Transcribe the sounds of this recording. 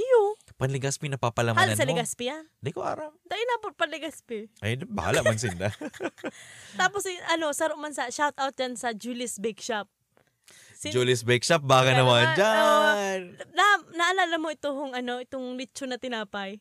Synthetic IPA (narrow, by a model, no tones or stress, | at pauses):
jopɐnlɪɡaspɪnɐpapɐlɐmaːlaansɐmlɪɡaspɪjand̪ɐjkoʔa̰ːɾamd̪ɐʔɪnaːpot̪̚pɐnlɪɡaspɪʔajbɐ̰ha̰ːlaʔmansɪnd̪a | t̪aːposʔɐno̞sɐɾoʔmansɐʃawt̪awt̪̚d͡ʒansɐd͡ʒulɪsbɛkʃap̚ | sɪd͡ʒulɪsbɛk̚ʃap̚baːɡanɐwand͡ʒaonnanɐʔɐlalɐmːoʔɪt̪oɦʊŋɐnoʔɪt̪oŋlɪt͡ʃːonɐt̪ɪnaːpɐj